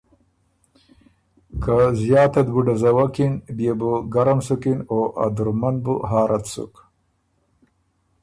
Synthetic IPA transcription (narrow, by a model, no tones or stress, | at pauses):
kazjaːt̪ɐd̪buɖazɐwakinbjebuɡaɾamsukinoʔa̰d̪uɾmanbṵɦaːɾat̪sṵk